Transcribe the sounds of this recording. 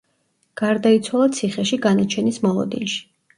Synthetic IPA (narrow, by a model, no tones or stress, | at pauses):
ɡ̥aɾd̪ait̪sʰwalˠat̪sʰiχɛʃiɡanat͡ʃʰɛnismɔlˠɔ̰d̪inʃi̥